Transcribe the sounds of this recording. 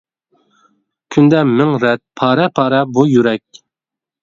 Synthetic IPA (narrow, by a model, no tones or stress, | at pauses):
kʲʰynd̪ɛmɪŋɾɛt̪̚pʰɑːɾɛpʰɑːɾɛbujyɾɛk̚ʲ